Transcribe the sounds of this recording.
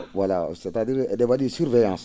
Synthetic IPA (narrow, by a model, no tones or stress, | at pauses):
wala̰setadiɾdebaɗisuɾvejãs